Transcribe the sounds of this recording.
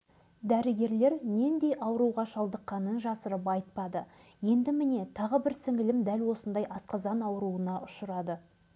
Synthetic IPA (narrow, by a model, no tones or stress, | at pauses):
d̪æɾɪɡʲe̞ɾle̞ɾne̞nd̪e̞jʔɑwəɾuwʁɑʃɑlˠd̪əqːɑnənʒɑsəɾəp̬ɑjət̪̚pɑd̪ə | je̞nd̪ɪmɪne̞t̪ʰɑʁəbɪɾsɪŋɪlɪmd̪ælwo̞sənd̪ɑjʔɑsqɑzɑnɑwəɾuənɑʔʊʃəɾɑd̪ə